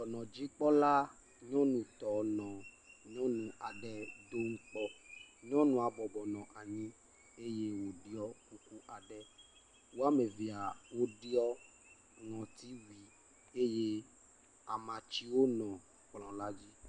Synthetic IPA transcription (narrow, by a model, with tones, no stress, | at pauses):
t̪ɔ˨nɔ̃˨d͡ʑi˦k͡pɔ˦la˦ | ɲɔ̃˦nũ˨t̪ɔ˨nɔ̃˨ | ɲɔ̃˦nũ˨a˨ɖɛ˨d̪o˦ŋ̩˦k͡pɔ˦ɲɔ̃˦nũ˨a˨bɔ˨bɔ˨nɔ̃˨ʔa˨ɲĩ˦ | e˦je˦wo˨ɖi˦ɔ˦ku˦ku˦ʔa˨ɖɛ˦ | wo˦a˦me˨vi˨a˨wo˦ɖi˦ɔ˦ | ŋɔ̃˨t̪i˦wi˨ | e˦je˦ | a˨mã˨t͡ʃi˦wo˦nɔ̃˨ | k͡plɔ̃˨la˦d͡ʑi˦